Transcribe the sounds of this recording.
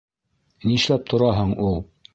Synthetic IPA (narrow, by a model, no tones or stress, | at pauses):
niʃlæp̚t̪ʰŏɾɑɦɤɴulˠ